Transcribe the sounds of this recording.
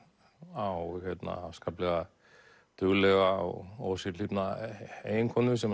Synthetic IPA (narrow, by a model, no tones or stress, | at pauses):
awhet̪na̰a̰fskaːplɛɣa | t̪ʏɣlɛɣaɔ̰ɣɔsiipnaḛjɪŋkʰɔnʏvɪsɛm